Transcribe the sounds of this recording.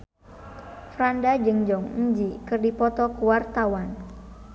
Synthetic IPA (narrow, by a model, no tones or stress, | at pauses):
fɾandad͡ʒɨŋd͡ʒɔŋiɲd͡ʒikɨrdipɔt̪ɔkuwart̪awan